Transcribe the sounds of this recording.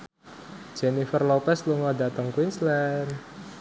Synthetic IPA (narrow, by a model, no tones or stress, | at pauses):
d͡ʒenifərlɔpɛsluŋɔdat̪əŋkwinslɛn